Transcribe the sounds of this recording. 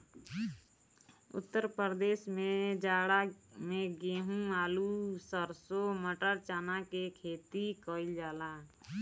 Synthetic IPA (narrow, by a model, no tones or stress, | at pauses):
ʊ̰t̪ːəɾpəɾd̪eːsmẽd͡ʒaːɽamẽɡeːɦũaːlusəɾsoməʈəɾt͡ʃaːnakekʰeːt̪ikəɪld͡ʒaːlaː